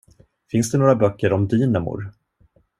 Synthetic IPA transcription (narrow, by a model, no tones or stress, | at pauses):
fɪnsd̪ɛnoːɾabœkːəɾɔmd̪yːnamʊ̰ɾ